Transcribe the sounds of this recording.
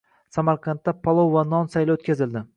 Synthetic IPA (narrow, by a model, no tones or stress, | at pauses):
samaɾqʰɑnt̪ːapʰɒlˠowvanɒnsajlaot̪kʲazɪld̪ɪ